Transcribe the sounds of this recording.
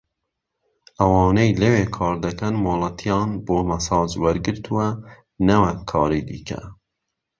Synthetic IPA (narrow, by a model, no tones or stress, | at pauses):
ʔɐwɑːnejlɐweːkʰɑːɾd̪ɐkɐnmoːlˠɐt̪ʰijɑːnboːmɐsɑːzwɐɾɡɨɾt̪ʰuɛ | nɐwɐkʰɑːɾiːd̪ḭːkʰɛ̰